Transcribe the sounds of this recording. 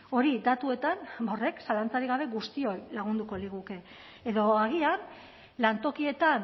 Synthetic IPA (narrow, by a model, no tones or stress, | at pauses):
o̞ɾid̪at̪ue̞t̪anbo̞re̞ksalant͡saɾiɣaβ̞e̞ɣust̪io̞jlaɣund̪uko̞liɣ̞uke̞ː | ðo̞aɣ̞ian | lant̪o̞kie̞t̪an